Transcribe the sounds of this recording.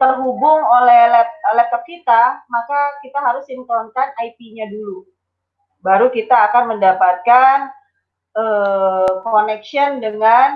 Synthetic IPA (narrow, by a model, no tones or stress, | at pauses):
t̪ərɦubʊŋolɛhlɛt̚əlɛt̪ɔp̚kit̪amakakit̪aɦaɾʊsint̪ɔnkanaipiɲadulu | baɾukit̪aːkanməndapat̪̚kan | əkonɛkʃiɔndəŋan